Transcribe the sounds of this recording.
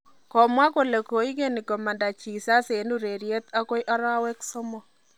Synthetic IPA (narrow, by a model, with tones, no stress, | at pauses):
kɔ˨mwa˦ko˦le˨ko˨i˦ke˦ni˨kɔ˨ma˨nda˨t͡ʃi˨sa˦se˨nu˦ɾe˨ɾje˦t̪a˦ko˦jʔa˦ɾa˦wɛ˦ksɔ˦mɔ˨